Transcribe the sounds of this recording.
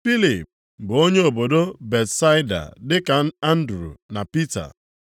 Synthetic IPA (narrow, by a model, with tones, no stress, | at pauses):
fi˦li˨p̚ | bʊ˨o˦ɲe˦o˨bo˨do˦be˨tsa˦ɪ˦da̰˨dɪ˦ka˨n˦a˦n̩˦dɾṵ˨na˨pi˦ta̰˨